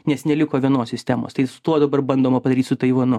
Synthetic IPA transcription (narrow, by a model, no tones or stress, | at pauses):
nʲɛsnʲɛlʲɪkoːʋʲiɛnoːssʲɪsʲt̪ʲæːmo̰ːst̪ɐɪsʊ̥t̪uɔd̪ɐbɐrbɐnd̪oːmɐpɐd̪ɐɾʲiːt̪sʊt̪ɐɪʋɐnʊ